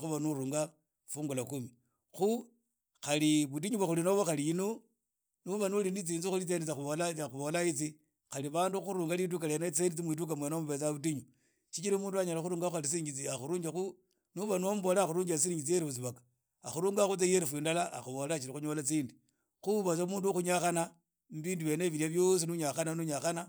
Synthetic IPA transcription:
xuβanuɾuːŋɡa | fuːŋɡulakumi | xu | xaliβut̬iɲuβaxulinoβoxaliino | nuβanulinit͡siːnzixulit͡sendet͡saxuβolaaxuβo̞lait͡si | xaliβaːnduxuɾuːŋɡalit̬ukalenat͡sendit͡simwiːt̬ukamwenaomuβet͡saβut̬iɲu | t͡ʃit͡ʃiɾimuːnduaɲalaxuɾuːŋɡaxuxalis̬iiɲɡit͡siaxuɾuːɲd͡ʒaxu | nuβanomuβolaːxuɾuːɲd͡ʒasiiɲɡit͡sijeɾifut͡siβakḁ | axuɾuːŋɡaxut͡sejeɾifwiːndalaa̰xuβo̞lat͡ʃiɾixuɲolat͡siːndi | xuβat͡samuːnduxuɲaxana | mβiːnduβe̞ːneβiɾiaβjos̬inuɲaxananuɲaxana

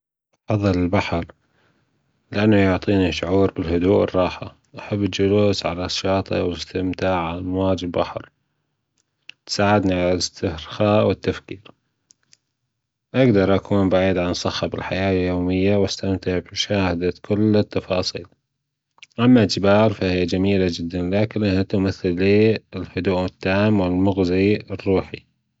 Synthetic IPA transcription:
ʔɑfɑðˤːɨlɪlbaħɾ | lɪʔanːajʊʕt̪ˤiːniʃʊʕuːɾbɪlhʊd̪uːʔɪ̰rˤːɑːħa̰ | ʔaħabːɪd͡ʒʊluːsʕalaʃːɑːt̪ˤɑ̰wɪst̪ɪmt̪aːʕʕamawaːd͡ʒɪlbaħɾ | t̪saːʕɪd̪niʕalalɪst̪ɪhɾxaːʔwɪt̪ːafkiːɾ | ʔaɡd̪ɑɾˤʔakʰuːnbaʕiːd̪ʕansˤɑxːɑbɪlħajaːljoːmɪjːawast̪amt̪ɪʕbʃaːhad̪akʰʊlːɪt̪ːɑfɑːsˤiːl | ʔamːad͡ʒɪbaːɾˤfahijːad͡ʒamiːlad͡ʒɪd̪ːanlaːkɪnʔahat̪ʊmaθːɪlːiːɪlhʊd̪uːʔɪt̪ːaːmwɪlmʊɣziɪrːuːħḭ

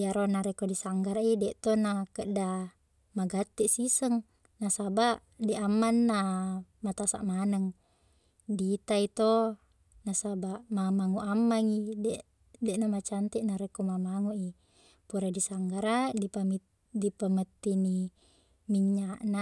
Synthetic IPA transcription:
jaɾonaɾɛkodisaŋɡaɾaidɛʔt̪onakəʔda | maɡat̪ːɛʔsisəŋ | nasabaʔ | dɛʔamːanːamat̪asa̰ʔmanəŋ | dit̪ait̪o | nasabaʔmamaŋuʔamːaŋidɛ | dɛʔnamat͡ʃant̪iʔnaɾɛkomamaŋuʔi | puɾedisaŋɡaɾadipami | dipamət̪ːini | miɲːaʔna

